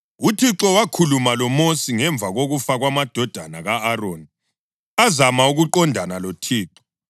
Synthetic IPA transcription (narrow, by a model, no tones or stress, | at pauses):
utʰiǁɔwakʰulumalɔmosiŋɛɱb̪vʱaɣoɣufaɣwamad̥ʱɔd̥ʱanaɣaːroːni | azamauɣuǃɔndʱanalotʰiːǁɔ̥